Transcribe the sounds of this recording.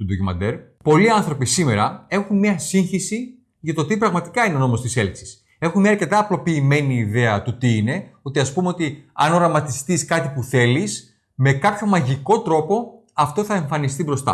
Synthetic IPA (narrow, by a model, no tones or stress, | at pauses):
t̪ud̪ocumɐ̰d̪eɾ | po̞liɐnθɾo̞pisime̞ɾɐe̞xunmɲɐsiɲçisi | ʝɐt̪o̞t̪ipɾɐɣmɐt̪i̥kɐineo̞no̞mo̞st̪iseliksi̥s | e̞xunmɲɐːɐɾce̞t̪ɐːplo̞piːme̞niːðe̞ɐt̪ut̪iine̞o̞t̪iɐspumeo̞t̪iɐ̰no̞ɾɐmɐt̪ist̪iskɐt̪ipuθe̞lis | me̞kɐpço̞mɐʝiko̞t̪ɾo̞po̞ | ɐft̪o̞θɐe̞ɱfɐnist̪ibɾost̪ɐ̰